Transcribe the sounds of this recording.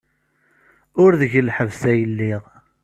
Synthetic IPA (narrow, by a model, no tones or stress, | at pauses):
ʊɾðəʝəlħəvθæjəlːiʁ